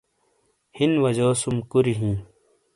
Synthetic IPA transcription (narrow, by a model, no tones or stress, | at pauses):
hinwɐd͡ʑoːsumkuɾiɦĩː